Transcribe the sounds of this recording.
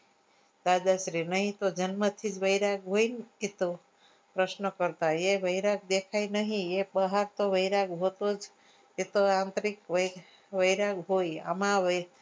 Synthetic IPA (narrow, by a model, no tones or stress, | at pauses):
d̪ad͡ʒaʃɾinəɦĩt̪od͡ʒənmət̪ʰid͡ʒʋəiɾaɡɦoinet̪o | pɾəʃnəkəɾt̪aeʋəjɾaɡ̚d̪ekʰajnəɦĩebəɦaɾt̪oʋəjɾaɡɦot̪od͡ʒ | et̪oãnt̪ɾikʋə | ʋəjɾaɡɦoja̰mãʋe